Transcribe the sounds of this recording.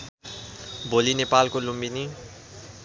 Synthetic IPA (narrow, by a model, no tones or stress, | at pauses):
bʱolinepalkolumbini